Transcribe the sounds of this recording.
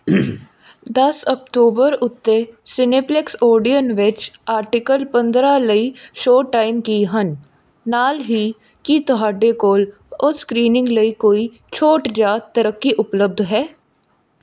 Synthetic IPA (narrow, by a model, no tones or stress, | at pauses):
d̪ɐsək̚ʈuːbəɾʊt̪ːesɪneːpleksoːɾɖijənʋɪt͡ʃaːɾʈɪkəlpə̃nd̪ɾaləiʃoːʈaːɪmkiɦənː | aːlɦi | kit̪ɔɦaːɖekoːl | ɔskɾiːnɪ̃ŋɡləikoːi | t͡ʃʰoːʈd͡ʒaːt̪ːəɾəkːiʔʊpləb̚d̪ʱɦɛː